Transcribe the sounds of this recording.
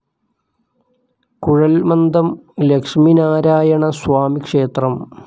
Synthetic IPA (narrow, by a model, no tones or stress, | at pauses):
kuɻɐlmɐnd̪ɐmlekʂminaːɾaːjɐɳɐswaːmikʂeːt̪rɐm